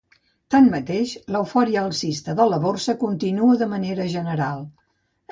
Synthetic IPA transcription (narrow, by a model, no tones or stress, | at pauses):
t̪anmət̪eʃləwfɔɾiəːlˠsist̪əðələβorsəkunt̪inuəðəməneɾəʒənəɾalˠ